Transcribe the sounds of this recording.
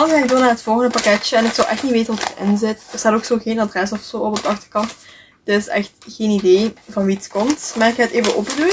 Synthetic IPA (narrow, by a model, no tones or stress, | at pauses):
ɑlzɛɪk̚doːnaːɦətfɔlˠɣəndəpakɛt͡ʃəɛnɪksɒlʔɛxtnitʋeːtənʋɔtərɪ̰nzɪtərsaːtoːksoːxeːnɑdrɛs̬ɔfsoːɔpɔb̚dəɑxtərkɑnt | d̥ɪsɛ̰xtxeːnidejvɑnʋitskɔmtmaːɹɪkʰaəteːvəʔo̰pədu